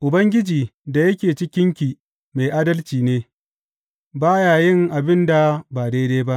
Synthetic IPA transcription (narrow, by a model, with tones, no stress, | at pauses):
ʔʊ˨bɐ˦ŋɡʲɪ˦d͡ʒiː˨da˨jɐ˦kʲeː˨t͡ʃɪ˦kʲɪ˦ŋkʲiː˨ | me˨ʔa˦dɐ˦lt͡ʃiː˨neː˦ | baː˦jaː˨jɪ˦ŋʔa˨bɪ˦nda˨baː˨deː˦deː˦ba˦ʔ